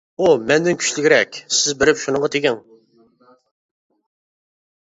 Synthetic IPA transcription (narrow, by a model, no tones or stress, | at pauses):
umɛnd̪ɪnkʲʰy̥ʃlɪɡʲɪɾɛkʲsɪzbɪɾɪpʃunəŋʁɑt̪ʰeɡʲɪŋ